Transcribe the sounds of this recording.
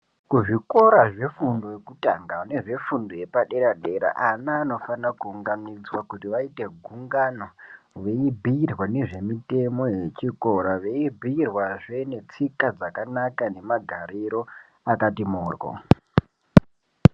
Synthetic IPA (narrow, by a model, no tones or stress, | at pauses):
kuʐiko̞ɾaʐe̞fundojekuta̰ŋɡaune̞ʐe̞fundoje̞paɗe̞ɾaɗe̞ɾa̰ʔanaːno̞fanakuːŋɡamid͡zwakutiʋaite̞ɡʱuŋɡano̞ | ʋe̞ibʱiirwane̞ʐe̞mite̞mo̞jet͡ʃiko̞ɾaʋe̞ibʱiirwaʐe̞ne̞t͡sikad͡zakanakane̞maɡʱaɾiɾo̞ | akatimoːrwo̰